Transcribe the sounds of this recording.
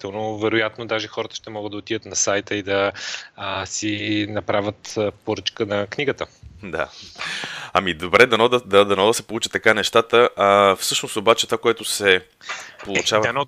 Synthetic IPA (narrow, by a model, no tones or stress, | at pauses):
it̪ɛlˠnovɛɾojat̪nod̪aʒɛxɔɾət̪ə̥ʃt̪ɛmɔɡəd̪ɐot̪id̪ət̪nɐsajt̪əid̪ɐ | sinɐpɾavʲət̪poɾət͡ʃkənɐkniɡət̪əd̪a̰ | ɐmid̪obɾɛd̪ɐnɔd̪əd̪ad̪ɐnɔd̪ɐsɛpolˠut͡ʃə̥t̪ːɐkanɛʃt̪at̪əʔafsɤʃnost̪obat͡ʃɛt̪vakoɛt̪osɛ | polˠut͡ʃavnɔ